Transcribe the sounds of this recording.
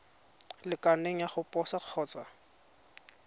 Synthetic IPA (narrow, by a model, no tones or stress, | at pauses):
lɪkaneŋ̩jaχʊpʼɔsaq͡χʰɔːt͡sʼa